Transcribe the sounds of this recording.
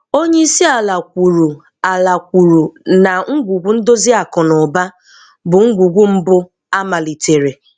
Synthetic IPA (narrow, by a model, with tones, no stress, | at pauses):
o˦ɲe˦i˦si˦a˨la˨kʷu˨ɾu˨ | a˨la˨kʷu˨ɾu˨na˨ŋ̩˦ɡʷu˨ɡʷu˦n̩˦do˦zi˦a˨kɔ˨nɔ˨ba˦ | bʊ˨ŋ̩˦ɡʷu˨ɡʷu˦m̩˦bʊ˦ | a˦ma˨li˨tʰe˨ɾe˨